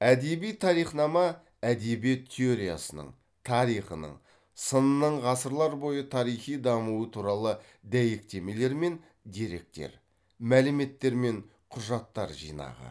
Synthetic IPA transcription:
æd̪e̞bijt̪ʰɑɾijχnɑmɑ | æd̪e̞biet̪ʲʰːeo̞ɾija̰sənə̰ɴ | t̪ʰɑɾijχənə̰ɴ | sənənəɴʁɑsəɾlˠɑɾbo̞jət̪ʰɑɾijχijd̪ɑmuwət̪ʰuɾɑlˠə | d̪æjek̚t̪e̞me̞le̞ɾme̞n | d̪e̞ɾe̞k̚t̪e̞̰ɾ | mælɪme̞t̪ːe̞ɾme̞ɴ | qʰʊʒɑt̪ːɑ̰ɾʒḭjnɑ̰ʁə̰

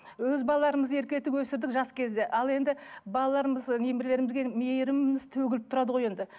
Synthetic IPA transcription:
wɵzbɑlˠɑlˠɑɾəməze̞ɾkʲlet̪ɪkwɵsɪɾd̪ɪkʒɑskʲʰe̞zd̪e̞ʔɑlˠe̞nd̪ɪbɑlˠɑlˠɑɾəməznemɪɾle̞ɾɪmɪzɡʲe̞mejɾɪmɪzt̪ʰɵɡʲɪlɪp̚t̪ʰʊɾɑd̪əʁo̞je̞nd̪ɪ

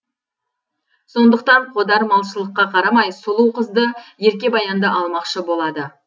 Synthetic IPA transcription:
so̞nd̪əq̚t̪ɑɴqʰo̞d̪ɑɾmɑlˠʃəlˠəqːɑqʰɑɾɑmɑjsʊlˠuwqʰəzd̪əje̞ɾkʲe̞bɑjɑnd̪əʔɑlˠmɑqʃəbo̞lˠɑd̪ə

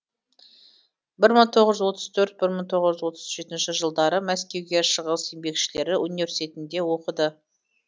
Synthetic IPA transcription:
bɪɾməɴt̪ʰo̞ʁəʒʏzwo̞t̪əz̥t̪ʰɵɾt̪̚bɪɾməɴt̪ʰo̞ʁəʒʏzwo̞t̪ə̥zʒe̞t̪ɪnʃɪʒəlˠd̪ɑɾəmæskʲe̞wɡʲe̞ʃəʁəse̞mbe̞kʃɪle̞ɾɪunivʲe̞ɾsi̥t̪e̞t̪ɪnd̪e̞wo̞qəd̪ə

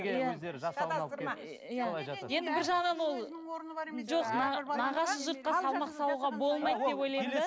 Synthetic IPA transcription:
jæ | jæje̞nd̪ɪbɪɾʒɑʁənɑnwo̞lˠ | ʒo̞qnɑnɑʁɑsəʒʊɾt̪̚qɑsɑlˠmɑqsɑlˠuʁɑbo̞lˠmɑjt̪̚d̪epo̞jlˠɑjmə

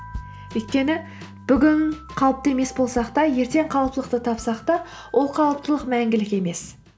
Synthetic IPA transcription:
ɵjt̪̚kʲe̞nɪ | b̥ʏɡʲɪn | qʰɑlˠəp̚t̪e̞me̞sbo̞lˠsɑqt̪ɑje̞ɾt̪e̞ɴqʰɑlˠəpt̪ələqt̪ət̪ʰɑpsɑqt̪ɑ | wʔo̞lˠqʰɑlˠəp̚t̪əlˠəqmæŋɡʲɪlɪkʲe̞me̞s

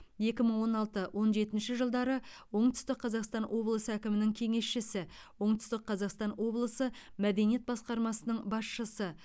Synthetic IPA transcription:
je̞kʲɪməɴwo̞nɑlˠt̪əwʔo̞nʒe̞t̪ɪnʃɪʒəlˠd̪ɑɾəwo̞ɴt̪ʏ̥st̪ɪqqʰɑzɑqst̪ɑnwʔo̞blˠəsəækʲɪmɪnɪŋkʲʰe̞ŋe̞sʃɪsɪwo̞ɴt̪ʏ̥st̪ɪq̚qʰɑzɑqst̪ɑnwo̞blˠəsəmæd̪e̞nije̞t̪bɑsqɑɾmɑsənəɴbɑsʃəsə

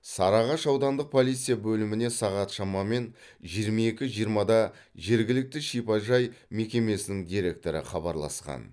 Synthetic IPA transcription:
sɑɾɑʁɑʃɑwd̪ɑnd̪əq̚pʰo̞lˠijt̪sɨjabɵlɪmɪne̞sɑʁɑt̪ʃɑmɑme̞n | ʒijəɾmɑe̞kʲɪʒijəɾmɑd̪ɑ | ʒe̞ɾɡʲɪlɪk̚t̪ɪʃijpɑʒɑjme̞kʲe̞me̞sɪnɪŋd̪ijɾe̞k̚t̪o̞ɾɪ̰χɑbɑ̰ɾlˠɑ̰sqɑ̰n

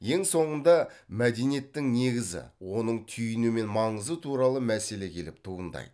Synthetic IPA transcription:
je̞ŋso̞ɴənd̪ɑmæd̪e̞nije̞t̪ːɪŋne̞ɡʲɪzɪ̰wo̞nəɴt̪ʰʏjɪnume̞nmɑɴəzət̪ʰuɾɑlˠəmæse̞le̞kʲʰe̞lɪp̚t̪ʰuənd̪ɑ̰j

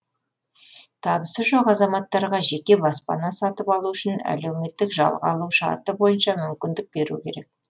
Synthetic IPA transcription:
t̪ʰɑbəsəʒoqɑzɑmɑt̪ːɑɾʁɑʒe̞kʲe̞bɑspɑ̰nɑsɑt̪əpɑlˠuʏʃɪnæ̰le̞wme̞t̪ːɪkʒɑ̰lˠʁɑ̰lˠuwʃɑ̰ɾt̪əbo̞jənʃɑmʏmkʲɪnd̪ɪk̚be̞ɾṵkʲʰe̞ɾek̚

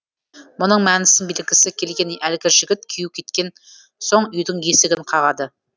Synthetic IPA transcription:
mʊnəɴmænɪsɪnbelɪɡʲɪsɪkʲʰe̞lɡʲe̞njʔælɡʲɪʒɪɡʲɪt̪kʲʰijukʲʰe̞t̪kʲe̞n | so̞ɴʏjd̪ɪŋje̞sɪɡʲɪɴqʰɑʁɑd̪ə

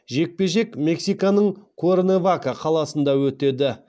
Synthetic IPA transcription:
ʒe̞k̚pe̞ʒe̞kme̞ksijkanəɴkʰoɾnevakaqʰɑlˠɑsənd̪ɑwɵt̪e̞d̪ɪ

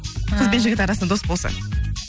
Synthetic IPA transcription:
qʰəzbenʒɪɡʲɪt̪ɑɾɑsənɑd̪o̞sbo̞lˠsɑ̰

